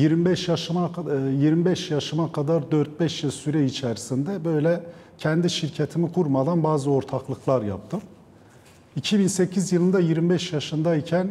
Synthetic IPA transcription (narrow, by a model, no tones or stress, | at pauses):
jiɾmibɛʃjaʃɯmajiɾmibɛʃjaʃɯmakʰad̪aɾd̪øɾt̪̚bɛʃjɯsyɾɛit͡ʃʰɛɾisind̪ɛbø̞jlʲɛ | cʰɛnd̪iʃiɾcʰet̪ʰimikʰuɾmad̪anbaːzɯo̞ɾt̪ʰaklˠɯklˠaɾja̰p̚t̪ʰɯm | icʰibinse̞cʰizjɯlˠɯnd̪ajiɾmibɛʃjaʃɯnd̪aicʰæn